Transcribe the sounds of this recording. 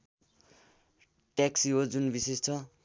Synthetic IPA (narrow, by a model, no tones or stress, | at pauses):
ʈaksiɦod͡zunbisest͡sʰʌ